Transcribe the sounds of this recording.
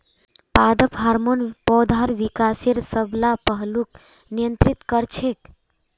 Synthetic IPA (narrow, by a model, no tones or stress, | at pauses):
pad̪əpɦaɾmonpɔd̪ʱaɾʋikaseɾsəblapəɦluk | nijənt̪ɾit̪kəɾt͡ʃʰek